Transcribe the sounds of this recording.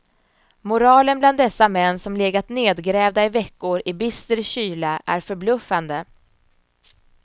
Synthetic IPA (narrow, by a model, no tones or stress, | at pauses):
mʊɾɑːlənbland̪ɛsːamɛnːsɔmleːɡat̪neːd̪ɡɾɛːvd̪aɪvɛkːʊɾɪbɪst̪əɾɕyːlaʔæɾfœɾblɵfːand̪ə